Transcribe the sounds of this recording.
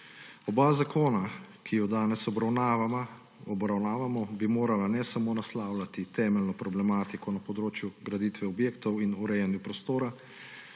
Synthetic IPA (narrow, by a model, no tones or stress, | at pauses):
ɔbazakʰoːnakʰijɔd̪aːnɛsɔbɾawna | ɔbɾawnaːʋamɔbimoːɾalanɛsamoːnaslaːwlat̪it̪ɛːmɛlnɔpɾɔblɛmaːt̪ikɔnapɔd̪ɾoːt͡ʃjuɡɾad̪iːt̪ʋɛɔbjeːkt̪ɔwinuɾɛjɛnjupɾɔst̪oːɾa